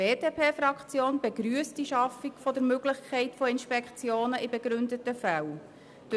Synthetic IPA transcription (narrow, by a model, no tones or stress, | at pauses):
eːdeːpeːfɾɑkt͡sjoːnbeɡɾyəstd̥iʃɑfikfɔdəɾmøɡlɪçkʰɛɪtfoɪnʃpɛkχt͡sjoːnəʔɪbeɡɾʏndətəfæw | d̥